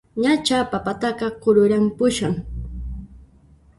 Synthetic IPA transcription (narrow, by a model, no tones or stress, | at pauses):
ɲat͡ʃapapat̪ɑɢɑqʊɾʊɾampʊʃʊŋ